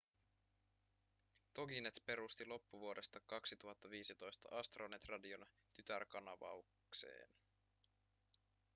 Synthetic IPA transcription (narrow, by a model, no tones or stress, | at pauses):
t̪o̞ɡinet̪pe̞ɾust̪ilo̞pːuʋuo̞de̞st̪ɑkɑksit̪uɦɑt̪ːɑʋiːsit̪o̞jst̪ɑ̰ʔɑst̪ronet̪rɑdion | t̪yt̪ærkɑnɑʋɑ̰uk | se̞̰ːn